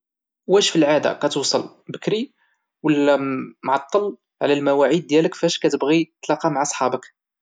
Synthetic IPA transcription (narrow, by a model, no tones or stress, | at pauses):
wæʃfilʕad̪a̰kæt̪uwsˤɑl | bəkɾi | wəlːæmʕɑt̪ˤːəl | ʕlælmæwæʕid̪̚ːjæləkfæʃkæt̪əbɣit̪ːlɑqɑmaʕasˤħɑbək